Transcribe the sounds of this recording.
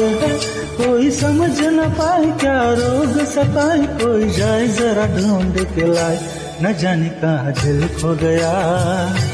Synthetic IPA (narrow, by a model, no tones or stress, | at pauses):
koːisɐməd͡ʒnɐpaːĩkjaːɾoːɡsɐp̪aːĩkoːid͡ʒaːɪzɐɾaɖʱuːɳɖ̪ʊkelaːi | nɐd͡ʒaːnikãd̪ɪlkʰoɡɐja